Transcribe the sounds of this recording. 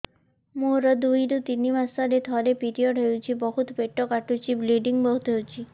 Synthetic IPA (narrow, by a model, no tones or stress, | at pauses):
muɾɔd̪uiɾut̪inimasaɾet̪ʰɔɾepiɾiɔɖɦɔwt͡ʃʰibɔɦut̪peʈɔkaʈut͡ʃibliɖiŋbɔɦut̪ʰɔwt͡ʃʰi